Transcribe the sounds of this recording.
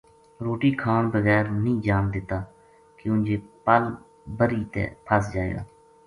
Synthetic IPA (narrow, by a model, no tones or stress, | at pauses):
ɾoːʈiːkʰaːnbəɣɛːɾnĩːd͡ʒaːnd̪ɪt̪ːaː | kɪʊ̃nd͡ʒeːpəl | bəɾiːt̪ḛːpʰəsd͡ʒaːḛːɡa̰ː